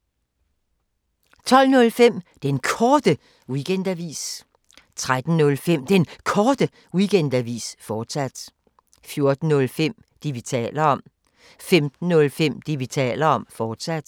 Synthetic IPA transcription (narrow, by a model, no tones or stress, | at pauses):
t͡sʰɒ̽l̰nɔ̽lfem̰d̥enkʰɒːd̥ə | wiɡ̥en̰d̥æʋḭːs | t͡sʰʁad̥n̩nɔ̽lfem̰d̥enkʰɒːd̥ə | wiɡ̥end̥æʋḭːsfɒːd̥sæd̥ | fjo̝ɐd̥n̩ːɔ̽lfem̰ | d̥iʋit͡sʰɛ̰ːlɐɒ̽m̰ | femd̥n̩ːɔ̽lfem̰d̥iʋit͡sʰɛ̰ːlɐɒ̽mfɒːd̥sæd̥